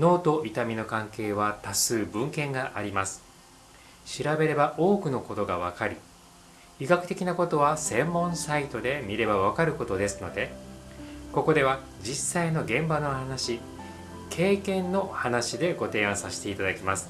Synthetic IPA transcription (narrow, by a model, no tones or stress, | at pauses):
no̞ːt̪o̞ʔit̪amʲino̞kãŋke̞ːβ̞at̪asɨːbɯ̟̃ŋkẽ̞ŋɡaʔaɾʲimasɨ̥ | ɕiɾabe̞ɾe̞baʔo̞ːkɯ̟no̞ko̞t̪o̞ɡaβ̞akaɾʲi | iɡakɯ̟t̪e̞kʲinako̞t̪o̞βasẽ̞mːõ̞ɰ̃sait̪o̞d̪e̞mʲiɾe̞baβ̞akaɾɯ̟ko̞t̪o̞d̪e̞sɨno̞d̪e̞ | ko̞ko̞d̪e̞β̞a | d͡ʑisːaino̞ɡẽ̞mbano̞hanaɕi | kʰe̞ːkẽ̞nːo̞hanaɕid̪e̞ɡo̞t̪e̞ːãɰ̃saɕi̥t̪e̞it̪ad̪akʲimasɨ̥